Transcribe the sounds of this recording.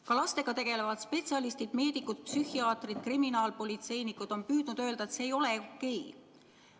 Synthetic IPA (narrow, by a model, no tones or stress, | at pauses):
kɑlɑst̪e̞ɡ̥ɑt̪e̞ɡ̥e̞levɑd̪̥spe̞t̪ʲsiɑlist̪id̪̥me̞ːd̪ikːˑud̪̥̚psyhiɑːt̪rid̪̥kriminɑːlpo̞lʲit̪se̞jnikːˑud̪̥o̞npyːd̪̥nud̪̥ø̞ːld̪ɑe̞t̪seːjo̞leokːe̞j